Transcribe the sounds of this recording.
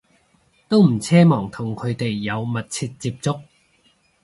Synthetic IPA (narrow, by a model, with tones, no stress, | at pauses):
t̪o˥wm̩˨˩t͡sʰɛː˥mɔː˨˩ŋt̪ʰʊ˨˩ŋkʰɵ˨˧ɥt̪e˨jːɐ˨˧wmɐ˨t̚t͡sʰiː˧t̚t͡siː˧p̚t͡sʊ˥k̚